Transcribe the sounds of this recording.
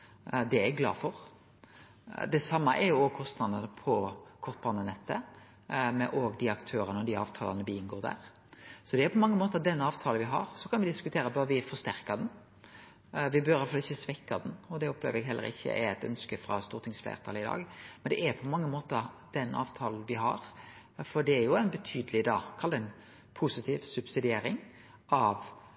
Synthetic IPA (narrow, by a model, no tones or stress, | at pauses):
d̪ɛæɡɡlɑ̰ːfɔʁ | d̪ɛsɑmːəʔɛɾjʊɔɡkʰɔst̪nɑd̪ənəpʰɔkʰɔʁt̪̚bɑːnənɛt̪ʰːə | mɛʔoːɡd̪iɑkt̪ʰøːɾənəɔd̪iɑ̰ːʋt̪ʰɑːlɑnəʋɪɪnɡoːʁd̪æ̰ːʁsɔd̪ɛæɾpʰɔmɑŋːəmoːt̪əd̪ɛnːəɑːʋt̪ʰɑːlʋɪɦɑ̰ɾsɔkʰɑnʋɪd̪ɪskʉt̪ʰeːɾəbœɾʋɪfɔst̪æʁkɑd̪ɛn | ʋɪbœɾæfɑɪçːəsʋɛkːɑd̪nɔd̪ɛʊplḛːʋəɾɛɡɦɛlːə̰ɾɪ̰çːə̰ʔɛt̪œ̰nskəfɾɑ̰st̪uːɾt̪ʰɪŋsflḛːʁt̪ʰɑːləɪd̪ɑ̰ːɡmɛnd̪ɛʔæɾpʰɔmɑŋːəmoːt̪əd̪̥ɛnːʔɑ̰ːʋt̪ʰɑːln̩ʋɪɦɑɾ | fɔɖ̪ɛæɾjʊæɪnbɛt̪ʰyːd̪əlɪd̪ɑːkʰɑld̪æɛn | pʰʊsɪt̪ʰiːʋsʉbsɪd̪ɪeːɾɪŋ | ʔɑʋ